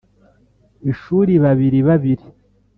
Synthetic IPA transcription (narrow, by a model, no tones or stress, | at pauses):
eʃuːɾiβaβiɾiβaβiɾi